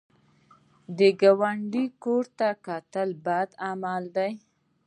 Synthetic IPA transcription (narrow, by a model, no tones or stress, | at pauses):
d̪əɡawaɳɖikoɾt̪akɑt̪əlbad̪amɑld̪aj